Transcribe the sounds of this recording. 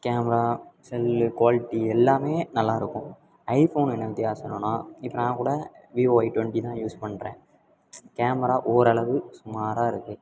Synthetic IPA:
keːmɐɾaːsɛlkʊʋaːlɪʈːiɛlːaːmeːnɐlːaːɪɾɯkːʊ̃ | ɐɪfoːnɛnːɐʋɪt̪ːɪjaːsɐnːõːnːaːɪpːɐɾnãːkuːɽɐ | ʋiːoːɐɪʈʋɛɳʈit̪ãːjuːspɐɳːɾẽː | keːmɐɾaːʔoːɾɐɭɐʋɯsʊmaːɾaːɪɾɯkːɯ

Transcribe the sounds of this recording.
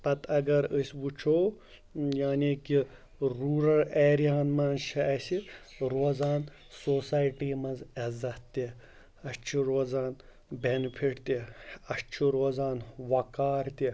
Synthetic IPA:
pɐt̪ʰɐɡɐɾəsʲʋut͡ʃʰoː | jaːniːki | ɾuːɾɐleːɾijaːnmɐnʃʰiɐsiɾoːzaːn | soːsaːjʈiːmɐnzɐzɐt̪t̪i | ɐst͡ʃʰiɾoːzaːn | benpʰiʈt̪iɐst͡ʃʰiɾoːzaːnʋɐkaːɾt̪i

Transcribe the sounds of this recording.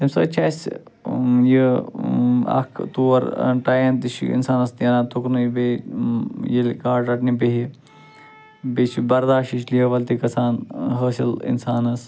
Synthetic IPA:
t̪ɐmsə̰ːt͡ʃʰaːsʲ | jə | ɐ̰kʰt̪uɐɾ̰ʈaːjɐnt̪iʃḭḭnsaːnɐst̪jɐnaːt̪uknɨjbe | jilʲkaːʈɐʈnibeɦi | bet͡ʃibɐɾd̪aːʃiʃliɐʋɐlt̪ikɐsaːnɦəːsilḭnsaːnɐs

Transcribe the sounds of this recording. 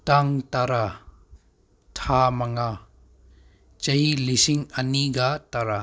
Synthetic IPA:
taŋtaɾa | tʰamɐŋa | t͡ʃɐjilisiŋɐniɡataɾa

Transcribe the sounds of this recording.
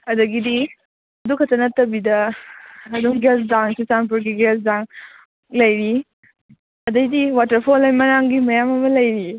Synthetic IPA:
ɐdɐɡidi | ɐdukʰɐtɐnɐtɐbidɐː | duŋɡesdaŋsisanpuɾɡiɡesdaŋ | lɐjɾi | ɐdɐjdiwatɐɾpʰolajmɐɾaŋɡimɐjamɐmɐlɐjɾi

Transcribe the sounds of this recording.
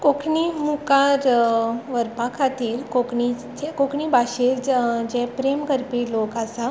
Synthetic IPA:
kokʰɳimukaɾʋəɾpakʰat̪iːɾkokɳi | kokɳibaɕeɾd͡ʑɛ̃pɾemkəɾpiːlokasa

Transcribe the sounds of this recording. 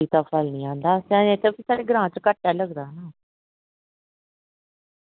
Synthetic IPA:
iːt̪aːpʰəlnĩːãːnd̪aːsãːt̪ʰepʰiːsaːɽeːɡɾãːt͡ʃəkəʈːjaːləɡd̪aːnaː

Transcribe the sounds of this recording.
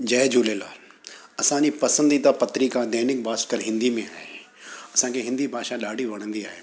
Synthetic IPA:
d͡ʑɐːd͡ʑuːlela̰ːɐsãd͡ʑipɐsə̃nd̪it̪apɐt̪ɾikãd̪ɛːnɪk̚baːskəɾɦɪ̃nd̪imẽaːɦe | ɐsãːkʰeɦɪ̃nd̪ibʱaːʃaɗaːɖʱiʋɐɽ̃ə̃nd̪iaːɦeː

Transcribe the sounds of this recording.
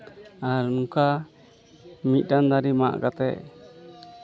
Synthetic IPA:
aɾnuka | mit̪̚ˀɖand̪aɾima̰ʔɡat̪ɛ̰ʔ

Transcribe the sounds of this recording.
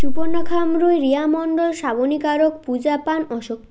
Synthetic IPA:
t͡ɕuponːakʰamɾojɾiamɔɳɖolʃabonikaɾokpud͡ʑapanɔʃok̚t̪

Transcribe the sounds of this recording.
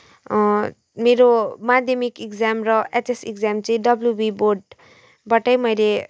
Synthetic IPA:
meɾomad̪ʱjʌmikikd͡zamrʌetesikd͡zamt͡sʌĩɖʌbljubiborɖ | bʌʈʌjmʌjle

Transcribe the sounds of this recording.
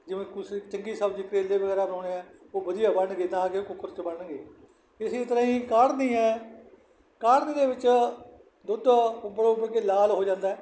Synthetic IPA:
d͡ʒɪʋẽːkʊst͡ʃəŋɡiːsəbd͡ʒikɾeːlːeːʋəɡɛːɾaːnõːneːɛ̃ːoːbəd̪ijaːbəɳɡeːnãːkekʊkːəɾt͡ʃbəɳɡeː | ɪsiːt̪əɾãːĩːkaːɽnĩːɛː | kaːɾniːd̪eːʋɪt͡ʃ | d̪ʊd̪bəɽõːbəɡeːlaːlɦoːd͡ʒãːnd̪aːɛː

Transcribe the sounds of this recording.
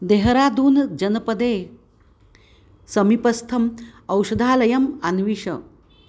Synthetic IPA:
d̪eɦɾaːd̪uːnd͡ʒɐnɐpɐd̪eː | sɐmipɐst̪ʰɐmɐwʃɐd̪ʱaːlɐjɐmanʋiʂɐ̰

